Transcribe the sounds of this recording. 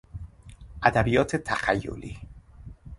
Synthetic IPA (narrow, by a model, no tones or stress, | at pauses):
ʔæd̪æbijɒːt̪ʰet̪ʰæxæjːo̰liː